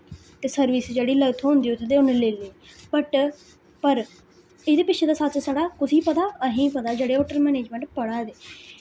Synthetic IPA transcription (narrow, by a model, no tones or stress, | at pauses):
t̪eːsəɾʋiːsd͡ʒeːɽiːləɡt̪ɦõːnd̪iːot̪ʰːd̪eːʊneleːleːpəʈ | pəɾ | ɪd̪eːpɪtʃʰeːd̪aːsət͡ʃsaɽaːkʊsiːpət̪aːəɦĩːpət̪aːd͡ʒeːɽeːoːʈəɾmɛːneːd͡ʒmɛ̃ːɳʈpəɽaːd̪eː